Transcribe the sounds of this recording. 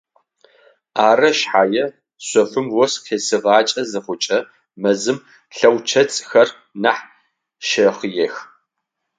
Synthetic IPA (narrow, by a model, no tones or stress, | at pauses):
aːrɐʃħaːjɛ | sʷɔfɨmwɔsqʰeːsɨʁɑːt͡ʃʼɐzɨχʷʊt͡ʃʼɐ | mɐzɨm | ɬɐwt͡ʃʰɐt͡sʼxɐr | naħ | ʃɐχjɛx